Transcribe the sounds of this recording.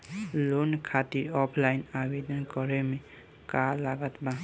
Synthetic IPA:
lonkʰat̪iɾɔpʰlajnabed̪ɔnkɔɾɛme | kalaɡat̪ba

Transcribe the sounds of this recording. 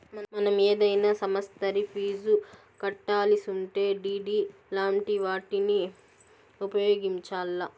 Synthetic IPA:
mɐnɐmeːd̪ɐjnaːsɐmɐst̪ɐɾipʰiːd͡ʒu | kɐʈːaːlisuɳʈeːɖiːɖiːlaːmʈiʋaːʈini | upɐjoːɡiɲt͡ʃaːlːɐ

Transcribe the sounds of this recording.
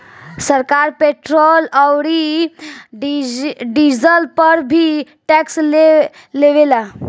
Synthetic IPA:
səɾkaɾpeʈɾoləwɾi | ɖizəlpəɾbʱi | ʈɛksle | leʋela

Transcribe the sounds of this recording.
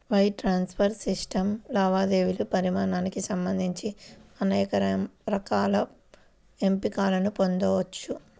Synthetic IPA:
ʋɐjʈɾaːnspʰɐɾsisʈɐmlaːʋaːd̪eːʋilupɐɾimaːnaːnikisɐmbɐnd̪ʱiɲt͡ʃiɐnɐjɐkɐɾɐɾɐkaːlɐ | e̞mpikaːlɐnupo̞nd̪oːʋɐt͡ʃːu

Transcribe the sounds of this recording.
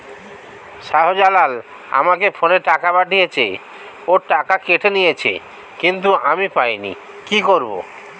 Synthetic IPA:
ʃaɦod͡ʑalal | a̰makefʰoneʈakabaʈijet͡ɕʰḛ | oɾʈakakeʈʰenijet͡ɕʰḛ | kint̪̬uamipajnḭ | kikoɾbo̰

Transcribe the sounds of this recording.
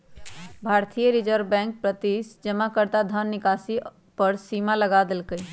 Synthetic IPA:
bʱaːɾt̪ʰijəɾɪd͡ʒəɾbɛ̃ːŋk̚pɾət̪isd͡ʒəmakəɾd̪ad̪ʱənːɪkaːsi | pəɾsiːmaləɡaːd̪ɪlkəi

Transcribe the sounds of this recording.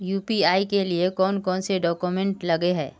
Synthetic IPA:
juːpiaːikeliekɔːnkɔːnseɖɔːkumɛ̃ɳʈlɐɡeɦɛ̰ː

